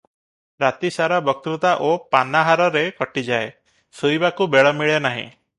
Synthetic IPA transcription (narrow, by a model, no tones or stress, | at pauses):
ɾat̪isaɾabɔk̚t̪ɾut̪aʔopanaɦaɾɔɾekɔʈid͡ʒae | sujbakubeɭɔmiɭenaɦḭ̃